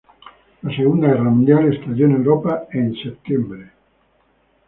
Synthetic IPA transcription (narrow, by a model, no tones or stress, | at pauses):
laseɣund̪aɛramũnd̪jalest̪ad̪jonewɾɔpaɛnsept̪ːembɾe